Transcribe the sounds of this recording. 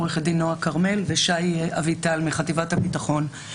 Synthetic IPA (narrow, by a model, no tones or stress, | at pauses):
ʁeχed̪inoakaʁme̞lveʃajavitalmiχativathapitaχo̞n